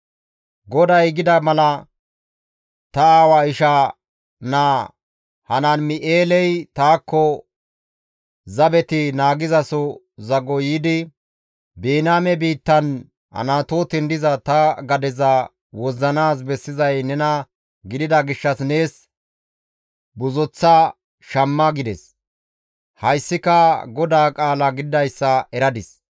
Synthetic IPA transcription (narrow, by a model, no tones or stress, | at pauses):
ɡɔd̪ɐjɡɪd̪ɐmɐlɐ | t̪ɐaːwaɪʃa | naː | hɐnanmɪʔeːlɛjt̪aːkːɔ | zɐbɛt̪ɪnaːɡɪzɐsɔ | zɐɡɔjiːd̪ɪ | beːnaːmɛbiːt̪ːɐn | ɐ̰naːt̪oːt̪ɪnd̪ɪzɐt̪ɐɡɐd̪ɛzɐ | wɔzːɐnaːs̬bɛsːɪzɐjnɛnɐ | ɡɪd̪ɪd̪ɐɡɪʃːɐsneːs | bʊzɔt͡sːɐ | ʃɐmːɐɡɪd̪ɛs | hɐjsːɪkɐɡɔd̪aːkʼaːlɐɡɪd̪ɪd̪ɐjsːɐɛɾɐd̪ɪs